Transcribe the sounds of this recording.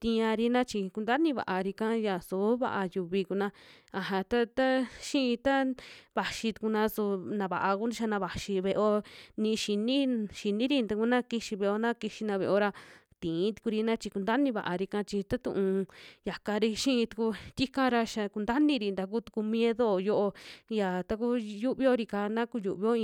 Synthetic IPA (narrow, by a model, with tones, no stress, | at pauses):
t̪ĩ˧ã˧ɾi˧nã˦t͡ʃi˧ku˧nd̪a˦nĩ˧βa̰˨ʔa˧ɾi˧kã˦ja˨su˨˦βa̰˧ʔa˧ju˧βi˧ku˧nã˧ | a˨ɦã˧t̪a˦t̪a˦ʃĩ˦ĩ˧t̪a˦βa˨ʃi˧t̪u̥˧ku˧nã˧su˧nã˧βa˨ʔa˧ku˦ni˧ʃa˧nã˧βa˨ʃi˧βe˧ʔo˧nĩ˧ʃi˧nĩ˦ʃi˧nĩ˦ɾi˧nd̪a˧ku˧nã˦ki˧ʃi˧βe˧o˧nã˦ki˧ʃi˧nã˧βe˧o˧ɾa˧ | t̪ĩː˨˦t̪u̥˧ku˧ɾi˧nã˦t͡ʃi˧ku˧nd̪a˦nĩ˧βa̰˨ʔa˧ɾi˧kã˧t͡ʃi˧t̪a˦t̪ṵ̃˧ʔũ˧ja˨ka˧ɾi˧ʃĩ˦˧t̪u̥˧ku˧t̪ʲi˦kã˦ɾa˧ʃa˧ku˧nd̪a˦nĩ˧ɾi˧nd̪a˧k̬u˦t̪u̥˧ku˧mj̃e˦ðo˦˨jo˦ʔo˧ja˨t̪a˦ku˦ju˦βi˧˦o˧ɾi˧ka˧˨nã˦ku˧ju˨ʔβi˧˦o˦˧